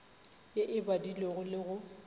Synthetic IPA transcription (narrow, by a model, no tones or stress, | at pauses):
jeʔɪbadileɣʊlɪɣʊ